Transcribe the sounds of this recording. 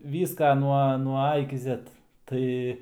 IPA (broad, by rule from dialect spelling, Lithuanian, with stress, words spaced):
ˈʋʲiːskɐ nuɔ nuɔ ˈɐ ɪkʲɪ ˈzʲɛt ˈtɐɪ